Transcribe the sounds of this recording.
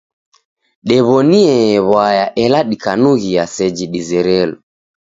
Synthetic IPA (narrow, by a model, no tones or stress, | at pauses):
ɗɛβɔniɛβwajaʔɛlaɗikanuɣiasɛd͡ʒiɗizɛɾɛlɔ